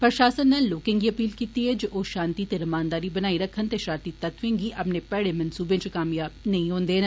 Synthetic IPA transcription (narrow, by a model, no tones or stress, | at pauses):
pəɾʃaːsənːaːlːoːkẽːŋɡiːəpiːlkiːt̪iːɦɛːd͡ʒoʔoːʃãːnt̪iːt̪eːɾəmaːnd̪aːɾiːbənaːiːɾəkʰːənt̪eːʃãːnt̪iːt̪ət̪ʰʋẽːŋɡiːʔəpneːpɛːɽeːmɐnsuːbẽːt͡ʃəkaːmjaːbnəĩːɦõːnd̪eːn